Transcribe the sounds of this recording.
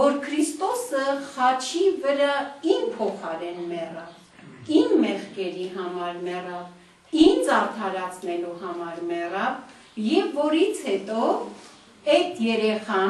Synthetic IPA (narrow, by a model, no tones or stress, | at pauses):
vɔɾkʰɾist̪ɔsəχɑt͡ʃʰivəɾɑinpʰɔχɑɾɛnmɛrɑv | inmɛχkɛɾiɦɑmɑɾmɛrɑv | ind͡zɑɾt̪ʰɑɾɑt͡sʰnɛluhɑmɑɾmɛrɑv | jɛvːɔɾit͡sʰhɛt̪ɔ | ɛjt̪ʰjɛɾɛχɑ